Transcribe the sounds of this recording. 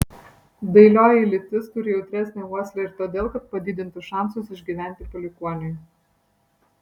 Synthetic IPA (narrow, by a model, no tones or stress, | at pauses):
d̪ɐɪlʲoːjɪlʲɪt̪ʲɪst̪ʊɾʲɪjɛʊt̪ʲɾʲæˑsʲnʲeuɔsʲlʲɛɪɾt̪oːd̪ʲeːlˠkɐt̪̚pɐd̪ʲiːd̪ʲɪnt̪ʊʃɑˑnsʊsɪʒʲɡʲiːʋʲæˑnʲt̪ʲɪpɔlʲɪkuɔnʲɪj